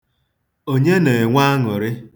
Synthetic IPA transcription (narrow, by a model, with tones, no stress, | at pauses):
o˦ɲe˦ne˨ŋʷa˦a˦ŋʊ˨ɾɪ˦